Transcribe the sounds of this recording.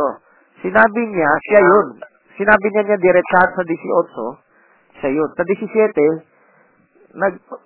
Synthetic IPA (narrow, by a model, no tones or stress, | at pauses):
o | sɪnaːbɪɲasajon | sɪnaːbɪɲaɲad̪ɪɾɛt͡ʃad̪sɐd̪ɪsɪʔot͡ʃo | ʃajonsɐd̪ɪsɪsjɛːt̪ɛ | nɐɡ̚